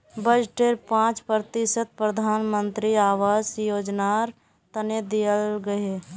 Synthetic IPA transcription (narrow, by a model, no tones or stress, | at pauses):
bəd͡ʒʈeːɾpãːt͡ʃpɾt̪ɪʃət̪̚pɾəd̪ʱaːnmə̃nt̪ɾiaːʋaːzjoːd͡ʒnaɾ | t̪əned̪ijəlɡɐe